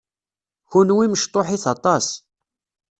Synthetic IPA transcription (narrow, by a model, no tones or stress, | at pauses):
çunwiməʃt̪ˤoħiθɑt̪ˤɑs